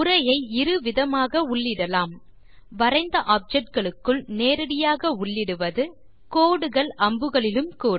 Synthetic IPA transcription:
ʊɾɐjɐɪɪɾɯʋɪðɐmaːɣɐʊɭːɪɽɐlaːm | ʋɐɾɐɪnd̪ɐʔaːp̚d͡ʒɛʈ̚ɡɐɭɯkːɯɭneːɾɐɽɪjaːɣɐʊɭːɪɽɯʋɐðɯ | koːɽɯɣɐɭɐmbɯɣɐɭɪlɯmkuːɽ

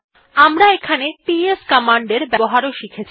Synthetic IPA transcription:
amɾaekʰanepieskɔmaɳɖeɾbɛboɦaɾoʃikʰet͡ɕʰ

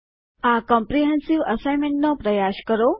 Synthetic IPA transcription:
akɔ̃mpɾiɦɛ̃nsiʋəsajmeɳʈnopɾəjaɕkəɾo

